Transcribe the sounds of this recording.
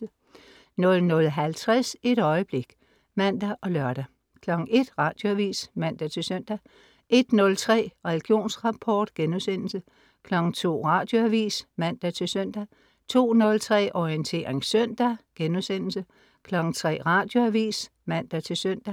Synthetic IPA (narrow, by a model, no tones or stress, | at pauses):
nɔ̽lnɔ̽lɦælt͡sʰʁɛse̝ɾ̥ɒ̽ɪəb̥le̝ɡ̥ | mæn̰d̥æʔɒ̽lɶɐɾ̥æ | kʰlɒ̽ɡ̥ŋ̩e̝d̥ʁɑ̈ːd̥jo̝æʋḭːsmæn̰d̥æt͡sʰe̝lsøn̰d̥æ | ʔe̝d̥nɔ̽lt͡sʰʁɛ̰ːʁɛliɡ̥jo̝̰ːnsʁɑ̈pʰɒːd̥ɡ̥enusen̰l̩sə | kʰlɒ̽ɡ̥ŋ̩t͡sʰo̝̰ːʁɑ̈d̥jo̝æʋḭːsmæn̰d̥æt͡sʰe̝lsøn̰d̥æ | t͡sʰo̝̰ːnɔ̽lt͡sʰʁɛ̰ːʔɒiənt͡sʰe̝̰ːɐʁeŋsœn̰d̥æɡ̥enusen̰l̩sə | kʰlɒ̽ɡ̥ŋ̩t͡sʰʁɛ̰ːʁɑ̈ːd̥jo̝æʋḭːs | mæn̰d̥æt͡sʰe̝lsøn̰d̥æ